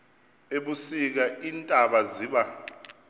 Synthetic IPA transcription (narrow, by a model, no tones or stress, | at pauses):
eɓusik̬aintʼaɓaziːɓa